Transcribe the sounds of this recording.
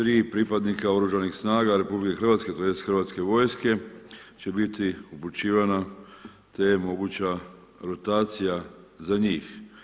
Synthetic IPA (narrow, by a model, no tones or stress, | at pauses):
t̪ɾiːpɾipad̪nikao̞ɾuʒanixsnaːɡaɾe̞publikexr̩ʋat̪ske̞t̪ojesxrʋat̪ske̞ʋo̞jske̞t͡ɕe̞bit̪iuput͡ʃiːʋana | t̪ejemo̞ɡut͡ɕa | ɾo̞t̪aːt̪sijazaɲiːx